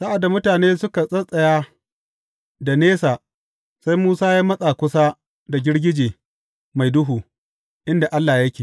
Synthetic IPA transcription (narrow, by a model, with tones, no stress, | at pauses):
sa˦ʔa˨dːa˨mʊ˦taː˨neː˦sʊ˦ka˨sʼɐ˦sʼɐ˦jaː˦ | da˨neː˦saː˨ | sa˦jmuː˦saː˦ja˦mɐ˦sʼa˨kʷʊ˦saː˦ | da˨ɡʲɪ˦ɽɡʲɪ˦d͡ʒeː˨ | ma˨jdʊ˦ɦuː˨ | ʔɪ˦nda˨ʔa˦lːaː˨jɐ˦kʲeː˨